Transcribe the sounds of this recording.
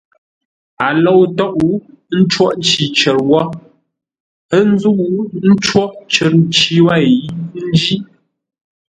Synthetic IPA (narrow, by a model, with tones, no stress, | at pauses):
a˨lɔ˦˨wtɔ˦ʔu˨˦ | n̩˦t͡ʃwɔ˦ʔn˦t͡ʃi˨t͡ʃə˨ɾwɔ˦ | ə˦n̩˦zu˦ʔu˦n̩˦t͡ʃwɔ˦ʔt͡ʃə˨ɾn˦t͡ʃi˦wa˦˨i˦n̩˦d͡ʒi˦